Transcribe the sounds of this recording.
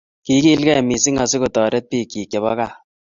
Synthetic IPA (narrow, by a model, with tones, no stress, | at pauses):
ki˦ki˦lkɛ˦˨mi˨si˦ŋa˨si˦ko˨tɔː˨ɾɛ˦t̚piː˦ki˨kje˨βɔ̰˦ka˦˨